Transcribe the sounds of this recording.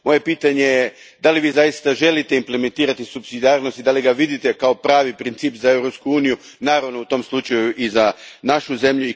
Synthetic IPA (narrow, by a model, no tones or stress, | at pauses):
mo̞je̞piːt̪aɲe̞je | d̪aliʋiːzajist̪aʒe̞lit̪e̞imple̞me̞nt̪iːɾat̪isupsid̪iaːɾno̞st̪id̪aliɡaʋid̪it̪e̞kao̞pɾaːʋipɾint̪siːpzae̞wɾo̞pskuuːniju | naːɾaʋno̞ut̪o̞mslˠut͡ʃajuʔizanaʃuze̞mʎui